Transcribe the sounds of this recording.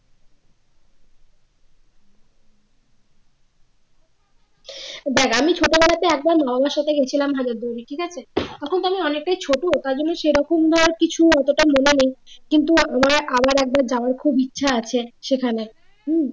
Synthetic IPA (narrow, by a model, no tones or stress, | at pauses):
b̪ɛkamit͡ɕʰoʈobɛlat̪eɛk̚baɾmababaɾʃat̪ʰeɡet͡ɕʰilamɦad͡ʑaɾd̪oɾiʈʰikat͡ɕʰet̪ɔkʰont̪amiɔnek̚ʈajt͡ɕʰoʈot̪aɾd͡ʑonːeʃejɾɔkomd̪ʱɔɾaɾkit͡ɕʰuɔt̪oʈamonenejkint̪̬uamaɾabaɾɛk̚baɾd͡ʑaoaɾkʰubitːɕʰaat͡ɕʰeʃekʰane